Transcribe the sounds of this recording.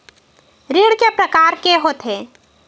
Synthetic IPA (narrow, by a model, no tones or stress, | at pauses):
ɾiɽkepɾəkaɾkeɦot̪e